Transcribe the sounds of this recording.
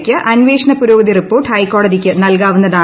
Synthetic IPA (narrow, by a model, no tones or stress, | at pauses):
kʲːɨʔʔɐnʋeːʂɐnɐpuɾoːɡɐðiripːo̞ːʈːhɐjkːo̞ːɽɐðikʲːɨnɐlkaːʋunːɐðaː